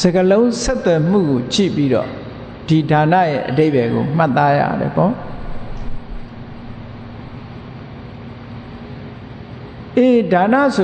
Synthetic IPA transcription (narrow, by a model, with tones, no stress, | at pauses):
z̥ə˨ɡəlõ˦ʊ̃sɛ˦t̪ːwɛ˨m̥ṵ˦˨ɡo˨t͡ɕḭ˦˨pi˦ɾɔ̰˦˨ | d̥i˨da˨nä̰˦˨jɛ̰˦ʔəde˦ɪ˨bɛ˨ɡo̰˨m̥a˦t̪ːa˦jä̰˦˨ɾɛ̰˨pɔ˦˨ | ʔe˨da˨nä̰˦˨so˨